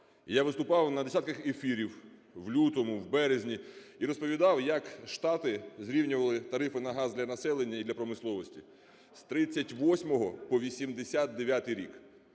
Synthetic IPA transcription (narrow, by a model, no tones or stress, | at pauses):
ijaʋɪst̪ʊpɑwnɐd̪esʲat̪kɐxefʲiɾʲiw | wlʲut̪ɔmʊwbɛɾezʲnʲi | iɾɔspɔʋʲid̪ɑwjɐkʃt̪ɑt̪ɪzɾʲiwnʲʊʋɐlˠɪt̪ɐɾɪfɪnɐɦɑzd̪lʲɐnɐsɛlˠenʲːɐid̪lʲɐpɾɔmɪslˠɔʋɔsʲtʲi | st̪ɾɪt͡sʲːɐtʲʋɔsʲmɔɦɔpɔʋʲisʲimd̪esʲat̪̚d̪eʋʲjat̪ɪjɾʲik